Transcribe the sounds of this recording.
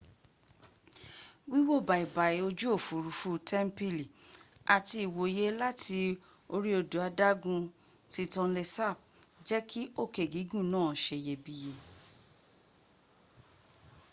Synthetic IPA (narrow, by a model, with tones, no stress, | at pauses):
wi˦wo˦˨ba˨i˨ba˨i˨˦o˧d͡ʒu˦o˦˨fu˨ɾu˨˦fu˦tʰɛ˦m̩˦pi˦li˨ | a˨ti˧i˨wo˨˦je˦la˦ti˧ | o˧ɾi˦o˧du˨a˧da˦ɡũ˧ | ti˧˦tɔ̃˧le˧sa˦˨b̚d͡ʒɛ˦ki˦o˦˨ke˨ɡi˨˦ɡũ˦˨nãː˦˨ʃe˧˨je˧bi˦je˧